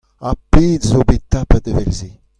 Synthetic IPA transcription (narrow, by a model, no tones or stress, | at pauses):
aped̪zobet̪apad̪əvɛlze